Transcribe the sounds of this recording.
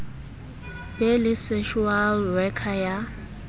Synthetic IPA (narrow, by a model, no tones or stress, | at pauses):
belɪseʃualwɛkʰaja